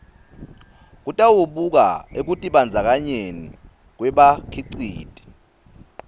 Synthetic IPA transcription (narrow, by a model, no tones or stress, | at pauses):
k̬ʼutʼawuɓuk̬a̰ek̬utʼiɓand͡zʱak̬ʼaɲeni | k̬wɛɓakʰiǀiːtʼi̥